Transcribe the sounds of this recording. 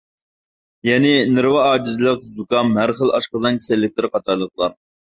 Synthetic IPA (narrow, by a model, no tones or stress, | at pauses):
jɛnɪnɪɾwɑɑːd͡ʒizɨlˠəq̚zd̪ukɑmɦæɾχəlˠɑʃqəzɑnkʲʰe̥sɛlːɪk̚ʲt̪ɪɾqʰɑt̪ʰɑɾlˠəq̚lˠɑɾ